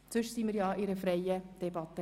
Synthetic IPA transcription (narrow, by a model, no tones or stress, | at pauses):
t͡sɵʃsiːmiːɾjɑːʔɪɾəfɾɛjəd̪̥ɛbɑt̪ːə